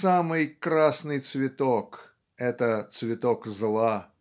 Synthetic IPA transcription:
samɨjkɾasnɨjt̪svʲɪt̪ok | ɛt̪ət̪svʲɪt̪okzlˠa

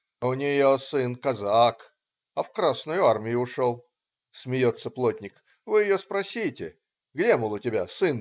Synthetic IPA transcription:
ʊnʲɪjosɨnkɐzak | ɐfkɾasnʊjʊarmʲɪjʊʊʂo̞lˠ | smʲɪjo̞t̪səplˠotʲnʲɪk | vɨjɪjospɾɐsʲitʲɪ | ɡdʲemɨlˠʊtʲɪbʲasɨn

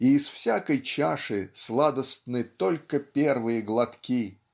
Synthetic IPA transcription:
iːsfsʲakəjt͡ɕaʂɨslˠad̪əst̪nɨt̪olʲkəpʲervɨjəɡlˠɐt̪kʲi

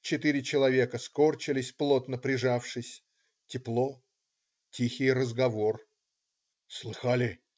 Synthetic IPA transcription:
t͡ɕɪt̪iɾʲɪt͡ɕɪlˠɐvʲe̞kəsko̞rt͡ɕɪlʲɪsʲplˠo̞t̪nəpɾʲɪʐafʂɨsʲ | tʲɪplˠo̞ | tʲixʲɪjrəzɡɐvo̞r | slˠɨxalʲɪ

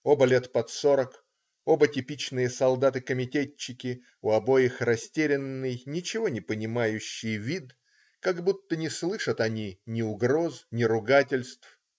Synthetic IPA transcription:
o̞bəlʲet̪pɐt̪soɾək | o̞bətʲɪpʲit͡ɕnɨjəsɐlˠd̪at̪ɨkəmʲɪtʲet͡ɕːɪkʲɪ | ʊɐbo̞jɪxrɐsʲtʲeɾʲɪnːɨjnʲɪt͡ɕɪvo̞nʲɪpənʲɪmajʉɕːɪjvʲid̪ | kaɡbut̪ːənʲɪslˠɨʂət̪ɐnʲinʲɪʊɡɾo̞snʲɪɾʊɡatʲɪlʲst̪f

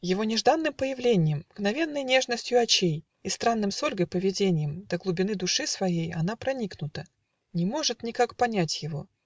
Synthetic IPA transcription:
jɪvo̞nʲɪʐd̪anːɨmpəjɪvlʲenʲɪjəmɡnɐvʲe̞nːəjnʲe̞ʐnəsʲtʲjʊɐt͡ɕej | ist̪ɾanːɨmsolʲɡəjpəvʲɪdʲenʲɪjəmd̪̥əɡlˠʊbʲɪnɨd̪ʊʂɨsvɐjejɐnapɾɐnʲiknʊt̪ə | nʲɪmo̞ʐɨt̪nʲɪkakpɐnʲætʲjɪvo̞̰

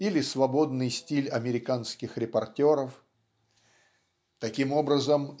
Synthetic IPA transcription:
ilʲɪsvɐbo̞d̪nɨjsʲtʲilʲɐmʲɪɾʲɪkanskʲɪxɾʲɪpɐrtʲo̞ɾəf | t̪ɐkʲimo̞bɾəzəm

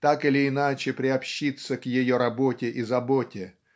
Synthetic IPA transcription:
t̪akɨlʲɪːnat͡ɕɪpɾʲɪɐpɕːit̪səkjɪjo̞ɾɐbotʲɪʔizɐbotʲɪ

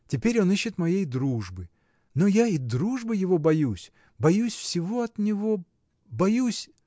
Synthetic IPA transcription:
tʲɪpʲeɾʲo̞niɕːɪt̪mɐjejd̪ɾuʐbɨ | no̞jaid̪ɾuʐbɨjɪvo̞bɐjusʲ | bɐjusʲfsʲɪvo̞ɐt̪nʲɪvo̞ | bɐjusʲ

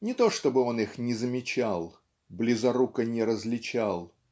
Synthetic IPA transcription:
nʲɪt̪o̞ʂt̪o̞bɨo̞nɨxnʲɪzəmʲɪt͡ɕalˠ | blʲɪzɐɾukənʲɪɾəzʲlʲɪt͡ɕalˠ

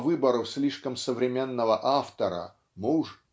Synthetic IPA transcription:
vɨbəɾəfsʲlʲiʂkəmsəvɾʲɪmʲenːəvəʔaft̪əɾə̰ | mɨʊʐ

